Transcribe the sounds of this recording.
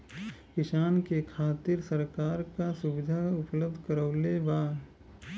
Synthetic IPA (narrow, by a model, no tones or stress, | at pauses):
kɪʃaːnkekʰaːt̪ɪɾsəɾkaːɾkasʊʋɪd̪ʱaʊpləb̚d̪ʱkəɾəːlebaː